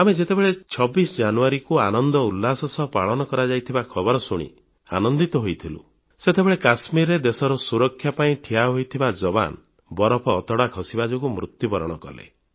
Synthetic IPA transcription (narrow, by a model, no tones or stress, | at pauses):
amed͡ʒet̪ebeɭet͡ʃʰɔbisɔd͡ʒanuaɾikuanɔnd̪ɔulːasɔsɔpaɭɔnɔkɔɾad͡ʒajt̪ʰibakʰɔbɔɾɔsuɽ̃ḭ | a̰nɔnd̪it̪ɔɦojt̪ʰilṵ | set̪ebeɭekasmiɾed̪esɔɾɔsuɾɔkʰːjapaĩʈʰijaɦojt̪ʰibad͡ʒɔba̰n | bɔɾɔpʰɔːt̪ɔɽakʰɔsibad͡ʒɔkumɾut̪jubɔɾɔɽ̃ɔkɔ̰lḛ